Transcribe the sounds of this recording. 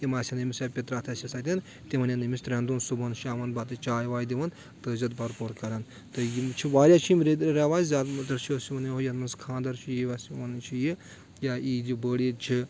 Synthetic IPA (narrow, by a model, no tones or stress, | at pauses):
imaːsʲinɐmisaːpʲet̪ɾaːt̪ʰɐsʲɐsat̪ʲɐn | t̪emɐnʲjanɐmist̪ɾʲɐnd̪uːnsubɐnʃaːʋɐnbat̪̬ɨt͡ʃaːjʋaːjd̪iʋɐn | t̪ɨzɐt̪bɐɾpoɾkɐɾɐn | t̪ɨjimt͡ʃʰiʋaːɾʲjat͡ʃʰimɾed̪ɾaʋaːzzʲaːd̪mt̪ɐɾt͡ʃʰiɐsiʋɐneɦojɐnmɐnskʰãːnd̪ɐɾt͡ʃʰijiʋasiʋɐnt͡ʃʰiji | jaid͡ʒibəːɽit͡ʃʰi